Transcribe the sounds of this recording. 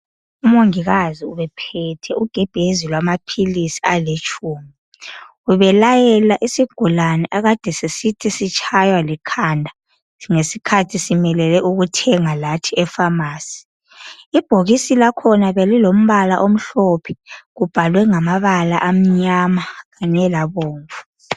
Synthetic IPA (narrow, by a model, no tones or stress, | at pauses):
umoŋiɣaziuβɛpʰɛtʰɛuɡ̥ʱɛb̥ʱezilwamapʰilisi̥alet͡ʃʼuːmi | uβɛlajɛlaʔisiɡ̥ʱulanɛʔaɣad̥ʱɛsesitʰisit͡ʃʼʰajwalikʰandʱa | ŋesikʰatʰisimɛlɛlɛʔuɣutʰɛŋalatʰiɛfamaːsi̥ | ib̥ʱoɣisilakʰɔnaβelilom̩βalaʔom̩ɬopʰɛ̥ɣub̥ʱalwɛŋamaβalaʔam̩ɲamaɣaɲɛlaβoːɱvu̥